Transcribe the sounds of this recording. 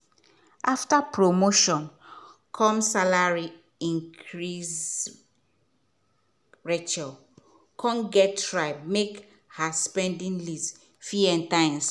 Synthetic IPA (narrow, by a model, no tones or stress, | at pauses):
aftapɹomoʃɔ̃nkʰɔ̃msalaɹi | ĩŋkʰɹiz | ɹɛt͡ʃɔl | kʰɔ̃mɡɛtɹaɪb̚mek | haspɛ̃ndĩnlis | fjuɛ̃ntãɪ̃ms